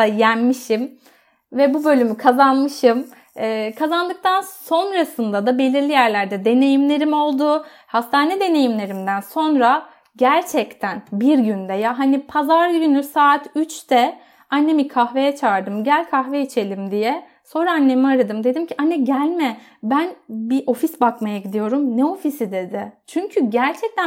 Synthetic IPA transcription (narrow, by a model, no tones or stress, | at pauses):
ajænmiʃim | vɛbubø̞lʲymykʰazanmɯʃɯmː | kʰazand̪ɯk̚t̪ʰanso̞nɾasɯnd̪ad̪abe̞lʲiɾlʲijæɾlʲæɾd̪ɛd̪e̞ne̞jimlʲe̞ɾimo̞lˠd̪ʊ | hast̪ʰaːnɛd̪e̞ne̞jimlʲe̞ɾimd̪ænso̞nɾa | ɟæɾt͡ʃʰɛct̪ʰænbiɾɟynd̪ɛjaɦanipʰazaɾɟynysaːt̪ʰyt͡ʃt̪ʰɛ | anːe̞mikʰahve̞jɛt͡ʃʰaːɾd̪ɯmɟælʲkʰaxvɛit͡ʃʰe̞lʲimd̪ijɛ | so̞ɾaanːe̞miaɾad̪ɯmd̪e̞d̪imcʰiʔanːɛɟælʲmɛbænbiʔo̞fisbakmajaɟid̪ijo̞ɾumnɛo̞fisid̪e̞d̪ɪt͡ʃʰyɲcʰyɟæɾt͡ʃʰɛc̚t̪æ